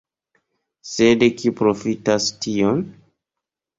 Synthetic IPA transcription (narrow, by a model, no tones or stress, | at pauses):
sedekipɾo̞fitastion